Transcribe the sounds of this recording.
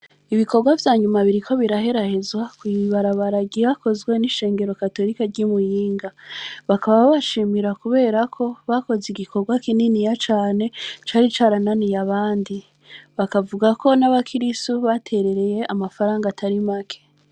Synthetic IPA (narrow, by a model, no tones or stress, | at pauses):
iβikʰo̞ɾɡwavjaːɲumaβiɾikʰo̞βiɾahe̞ɾahezwakwiiβaɾaβaɾaɡiako̞zɡwe̞niʃe̞ːŋɡe̞ɾo̞kato̞ɾikaɾɟimujiːŋɡaβakaβaβaβaʃiːmiɾakuβe̞ːɾakʰo̞βako̞ziɡiko̞ɾɡwakininijat͡ʃaːne̞t͡ʃaːɾit͡ʃaɾananijaβaːndi | βakavuɡako̞naβakʰiɾistuβatʰe̞ɾe̞ɾe̞je̞ʔamafaɾaːŋɡatʰaɾimakʰe̥